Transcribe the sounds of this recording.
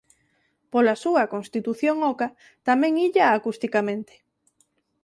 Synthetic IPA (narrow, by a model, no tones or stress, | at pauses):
polasuɐkonst̪it̪uθjoŋɔka | t̪amɛ̃ŋiʎaːkust̪ikamẽnt̪e̥